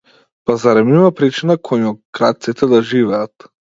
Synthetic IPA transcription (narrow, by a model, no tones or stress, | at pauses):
pazaɾɛmimapɾit͡ʃinakʰɔjɔɡɾat̪sit̪ʰɛd̪aʒivɛat̪